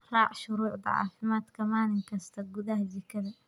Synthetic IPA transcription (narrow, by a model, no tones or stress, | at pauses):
ɾˤɑːʕʃʊɾuːʕd̪ˤɑ̰ʕɑ̰ːfɪmaːt̪kamaːnɪnkast̪aɡud̪ahd͡ʒikaða